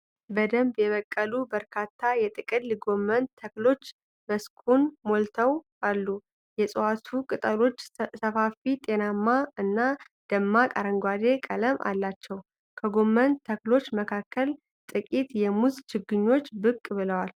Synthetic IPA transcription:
bəd̪əmbjɛβəkʼːəlubəɾkʰat̪ʰːajɛt̪ʼɨkʼɨlliɡo̞mːənt̪ʰəklo̞t͡ʃː | bəskʰunmolt̪ʰəw | alːu | jɛsʼəwat̪ʰukʼɨt̪ʼəlo̞t͡ʃːsəfafit̪ʼe̞namːaɨnːa | d̪̥əmːakʼaɾəŋɡʷad̪e̞kʼələmʔa̰lːat͡ʃːɛw | kʰəɡo̞mːənt̪ʰːəklo̞t͡ʃːməkʰakʰːəl | t̪ʼɨkʼit̪jɛmuzt͡ʃɨɡːɨɲːo̞t͡ʃːbɨkʼːbɨləwal

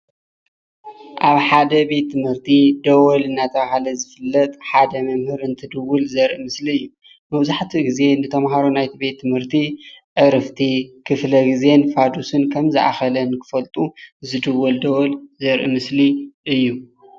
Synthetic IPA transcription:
ʔaβħad̪ɐbe̞t̪ːɨmhɨɾt̪ʰid̪ɐwɔlɨnːat̪ʰɐβahalɐzɨfɨlːɐt̪ʼħad̪ɐmɐmhɨɾɨnt̪ʰɨd̪ɨwulzɐɾʔimɨsliɨjːu | mɐβzaħt̪ʰiɡize̞nɨt̪ʰɐmɦaɾonajt̪ʰibe̞t̪ʰːɨmhɨɾt̪ʰiʔɨɾɨft̪ʰikʰɨflɐɡize̞nfad̪usɨnkʰɐmzɨʔa̰xɐlɐnkʰɨ̥fɐlt̪ʼuzɨd̪ɨwːuld̪ɐwɔlzɐɾʔimɨsliʔɨjːu

